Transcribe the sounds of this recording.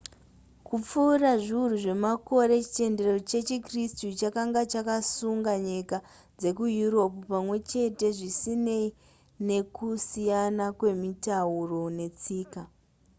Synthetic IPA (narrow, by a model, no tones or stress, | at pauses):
kup͡fuːraʐiuruʐe̞mako̞ɾe̞t͡ʃi̥t͡ʃe̞nde̞rot͡ʃe̞t͡ʃikristut͡ʃakaŋɡat͡ʃakasuŋɡaɲika | d͡ze̞kujuɾo̞pupamwe̞t͡ʃe̞te̞ʐisine̞i | ne̞kusijanakwe̞mitauro̞ne̞t͡siːka